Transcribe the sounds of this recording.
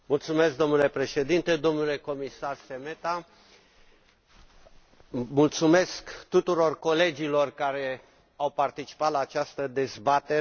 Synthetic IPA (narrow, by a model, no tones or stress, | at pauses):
mult̪sumesk̚d̪o̞mnule̞pɾe̞ʃe̞d̪int̪ed̪o̞mnule̞ko̞misarseme̞t̪a | mult̪sume̞skt̪ut̪uɾo̞rko̞le̞d͡ʒilo̞rkaɾe̞ | awpart̪it͡ʃi̥pat̪laːt͡ʃast̪əd̪e̞zbat̪e